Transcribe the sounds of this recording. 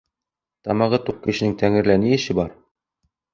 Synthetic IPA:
t̪ɑmɑʁɤt̪uq̚kɘ̆ɕɘ̆nɘŋt̪æŋɘ̆ɾlænɘjɘ̆ɕɘbɑɾ

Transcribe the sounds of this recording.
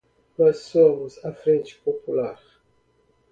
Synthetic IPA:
nɔssomʊzafɾẽnt͡ʃi̥populaɾ

